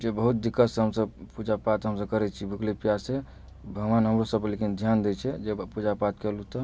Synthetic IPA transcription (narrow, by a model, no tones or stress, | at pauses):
d͡ʒebəɦut̪̚d̪ikːəsɦəmsəbpud͡ʒapat̪ɦəmsəb̚kəɾɛt͡ʃʰibʱuklipijase | bʱəɡʋanɦəmɾosəblekind̪ʱjand̪ɛt͡ʃʰɛd͡ʒepud͡ʒapat̪kɛlut̪ɔ